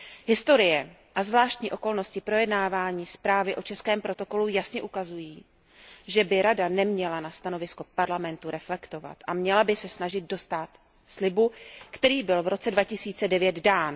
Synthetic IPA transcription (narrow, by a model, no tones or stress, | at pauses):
ɦɪst̪o̞ɾɪjɛʔazvlaːʃt̪ɲiːʔo̞ko̞lno̞scɪpɾo̞jɛdnaːvaːɲiːspɾaːvɪʔo̞t͡ʃɛskɛːmpɾo̞t̪o̞ko̞lujasɲɛʔukazujiː | ʒɛbɪɾadanɛmɲɛlanast̪ano̞vɪsko̞paɾlamɛnt̪uɾɛflɛkt̪o̞va̰t̪ʔamɲɛlabɪsɛsnaʒɪd̪̚do̞st̪at̪ | slɪbukt̪ɛɾiːbɪlvɾo̞t͡sɛdvacɪsiːt͡sɛdɛvjɛd̪daːn